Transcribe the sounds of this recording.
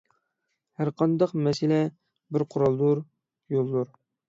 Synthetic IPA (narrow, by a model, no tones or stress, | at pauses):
hæɾqʰɑnd̪ɑqmɛsɪlɛ | bɪɾqʰʊɾɑlˠd̪uɾ | jolˠːuɾ